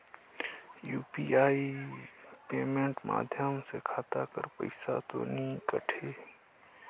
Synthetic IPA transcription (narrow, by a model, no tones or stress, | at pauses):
juːpiaːi | peːmẽɳʈma̰ːd̪ʱjəmsekʰaːt̪akəɾpə̰ɪsa̰t̪o̰nĩkəʈʰeː